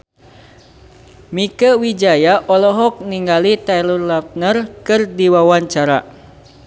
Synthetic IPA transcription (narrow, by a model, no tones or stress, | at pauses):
mikəwid͡ʒajaʔɔlɔɦɔk̚niŋɡalit̪ɛlurlap̚nərkɨrdiwawaɲt͡ʃaɾa̰